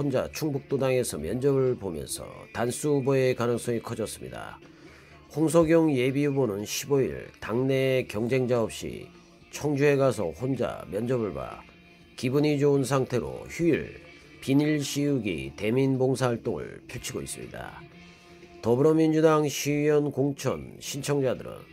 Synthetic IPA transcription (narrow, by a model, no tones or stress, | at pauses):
hond͡ʑa̰t͡ɕʰuŋbuk̚t͈odaŋe̞sʰʌmjʌnd͡ʑʌbɯɭbomjʌ̰nsʰʌ̰tans͈ʰuːboe̞kanɯŋs͈ʌŋikʰʌd͡ʑʌs͈ɯmɲḭda̰ | hoŋs̬ʰʌɡjʌŋje̞biubonɯnɕʰiboḭɭtaŋne̞kjʌŋd͡ʑe̞ŋd͡ʑaʌp̚ɕ͈ḭ | t͡ɕʰʌŋd͡ʑue̞ɡasʰʌ̰hond͡ʑa̰mjʌnd͡ʑʌbɯɭba̰ | kibuɲid͡ʑounsʰaŋtʰe̞ɾo̰çuiɭ | piniɭɕʰijuɡḭte̞minboŋsʰaɦaɭt͈oŋɯ̰ɭpʰjuɭt͡ɕʰiɡo̰is͈ɯ̰mɲḭda̰ | tʌbɯɾʌmind͡ʑudaŋɕʰijʌnkoŋt͡ɕʰʌ̰nɕʰint͡ɕʰʌŋd͡ʑadɯɾɯ̰n